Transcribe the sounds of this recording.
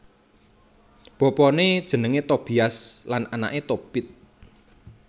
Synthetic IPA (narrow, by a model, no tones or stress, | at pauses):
b̥ɔ̤pɔned̥ʒ̥ə̤nəŋet̪ob̥iaslanʔana̰ʔet̪ob̥ɪt̪̚